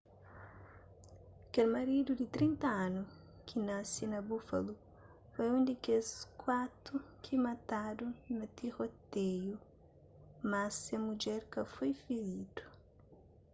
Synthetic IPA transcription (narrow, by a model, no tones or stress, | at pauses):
kelmaɾid̪ud̪it̪ɾĩnt̪ɐanu | kʰinasinɐbufa̰lu | fojũnd̪ikeskwat̪ɾukʰimat̪ad̪unɐt̪iʁot̪eju | masemud͡ʒɛɾkɐfojfiɾid̪u̥